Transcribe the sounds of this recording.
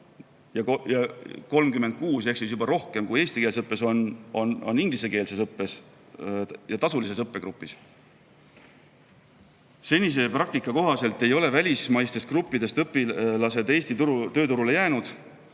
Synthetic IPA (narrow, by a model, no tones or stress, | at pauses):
jɑjɑko̞lmkymend̪̚kuːse̞ksisjubɑɾo̞hke̞mkuje̞ːst̪ikeːlsɤpːˑe̞so̞nononːiŋɡ̥lise̞ke̞ːlsesɤpːe̞s | jɑt̪ɑsulise̞sɤpːe̞ɡ̥ɾupːˑis | se̞nʲːis̬e̞prɑk̚t̪ikːˑɑko̞ɦɑse̞lt̪ˑːe̞jo̞le̞vælʲismɑjst̪e̞st̪krupːid̪̥e̞st̪ɤpːˑilɑse̞d̪e̞ːst̪it̪uɾut̪ø̞ːt̪uɾule̞jæːnud̪̥